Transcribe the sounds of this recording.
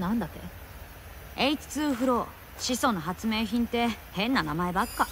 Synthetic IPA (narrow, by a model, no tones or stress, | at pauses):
nãnd̪at̪ːḛ | eit͡sɨ̥t͡sɨːɸɯ̟ɾo̞ | ɕiso̞noɦat͡sɨme̞ːçĩnt̪e̞hẽ̞nːanamae̞bakːa